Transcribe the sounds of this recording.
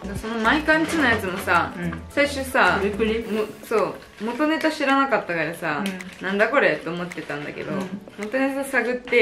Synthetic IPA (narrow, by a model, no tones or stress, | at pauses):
d̪aso̞no̞maikãɲt͡ɕinajat͡sɨmo̞sasaiɕɨsamosoː | mo̞t̪o̞ne̞t̪aɕiɾanakat̪ːakaiɾɯsanãnd̪ako̞ɾe̞t̪ːe̞omo̞t̪ːe̞t̪ãnd̪a̰ke̞̰d̪o̞mo̞t̪o̞ne̞t̪saɡɯ̟t̪ːe̞